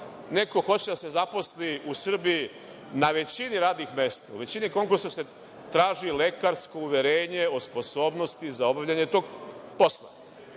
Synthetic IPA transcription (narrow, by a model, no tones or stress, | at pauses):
ne̞ko̞xo̞t͡ɕed̪ase̞zapo̞sliʔusr̩biji | naʋe̞t͡ɕiniɾaːd̪nixme̞st̪aṵʋe̞t͡ɕiniko̞ŋkuɾsase̞ | t̪ɾaːʒile̞kaɾsko̞uʋje̞ɾeːɲe̞o̞spo̞so̞ːbno̞st̪izao̞baʋʎaɲet̪o̞ːɡ̚po̞slˠa